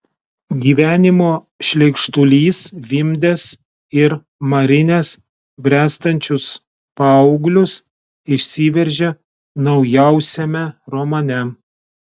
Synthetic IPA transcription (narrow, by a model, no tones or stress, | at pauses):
ɡʲiːʋʲæːnʲɪmoː | ʃʲlʲɛɪkʃt̪ʊlʲiːsʋʲɪmʲd̪ʲes | ɪɾ | mɐɾʲɪnʲeːs | bʲɾʲæːst̪ɐnʲt͡ʃʲʊs | pɑʊɡlʲʊs | ɪʃʲsʲiːʋʲɛɾʲʒʲe | nɒʊjæˑʊsʲɛmʲɛɾomɐnʲɛ